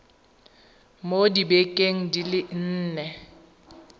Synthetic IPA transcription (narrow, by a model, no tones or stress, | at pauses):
modibɛkʼeŋ̩dilɪn̩ːnɛ